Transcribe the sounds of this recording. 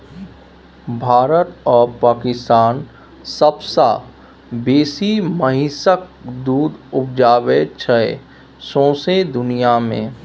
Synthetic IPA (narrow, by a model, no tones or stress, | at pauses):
bʱaːɾət̪ɔːɾpaːkɪst̪aːn | səbsa̰ | beːsiməɦisək̚d̪uːd̪ʊp̚d͡ʒaːʋet͡ʃʰɛ | sɔ̃ːsed̪ʊnijamḛ̃ː